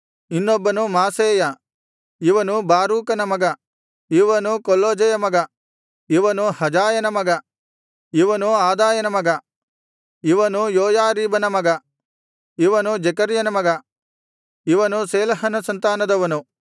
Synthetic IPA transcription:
inːobːɐnumaːseːjɐ | iʋɐnubaːɾuːkɐnɐmɐɡɐ | iʋɐnukolːoːd͡ʒɐjɐmɐɡɐ | iʋɐnuhɐd͡ʒaːjɐnɐmɐɡɐ | iʋɐnuaːd̪aːjɐnɐmɐɡɐ | iʋɐnujoːjaːɾiːbɐnɐmɐɡɐ | iʋɐnud͡ʒɐkɐɾjɐnɐmɐɡɐ | iʋɐnuseːlɐɦɐnɐsɐnt̪aːnɐd̪ɐʋɐnu

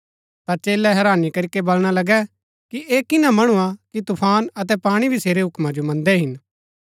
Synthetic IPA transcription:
t̪at͡ʃeːlɛɦɛɾaːnikɐɾɪkebɐlɽ̃alɐɡɛ | kiʔeːkɪnãmɐɽ̃uakit̪ʊpʰaːnɐt̪ɛpaːɽ̃ibʱiseːɾeɦʊkmãd͡ʒomɐ̃nd̪ɛɦɪn

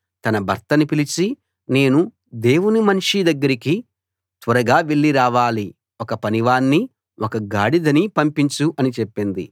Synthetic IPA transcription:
t̪ɐnɐbʱɐɾt̪ɐnipilit͡ʃi | ne̞ːnu | d̪e̞ːwunimɐnʂid̪ɐɡːɐɾiki | t̪ʋɐɾɐɡaːʋeɭːiɾaːʋaːli | ɔkɐpɐniʋaːnːi | ʔɔkɐɡaːɽid̪ɐnipɐmpiɲt͡ʃuʔɐnit͡ʃepːind̪ḭ

